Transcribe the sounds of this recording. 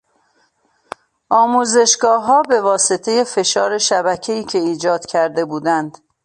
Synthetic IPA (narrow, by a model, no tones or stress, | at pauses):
ʔɒːmuːze̞ʃɡɒːɦɒːbe̞vɒːset̪ʰe̞je̞fe̞ʃɒːɾe̞ʃæbæcʰeiːcʰe̞iːd͡ʒɒːd̪̥kcʰæɾd̪e̞buːd̪ænd̪̥